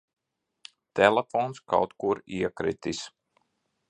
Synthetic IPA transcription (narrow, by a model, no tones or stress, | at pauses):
t̪ɛlˠɛfɔnska̰wt̪kuɾiɛkɾḭt̪is